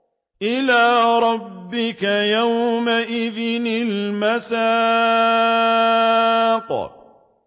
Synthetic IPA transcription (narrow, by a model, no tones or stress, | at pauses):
ʔɪlaːɾˤɑbːɪkajawmaʔɪðɪnɪlmasaː | qɑ̰